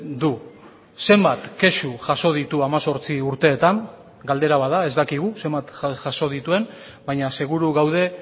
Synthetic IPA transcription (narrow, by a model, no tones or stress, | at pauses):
d̪u | se̞mbat̪ke̞ʃuʝaso̞ð̞it̪uamaso̞ɾt͡siuɾt̪e̞ːt̪aŋ | ɡald̪e̞ɾaβaðae̞zd̪akiɣuse̞mbat̪aʝaso̞ð̞it̪ue̞n | bajɲase̞ɣuɾuɣawð̞e̞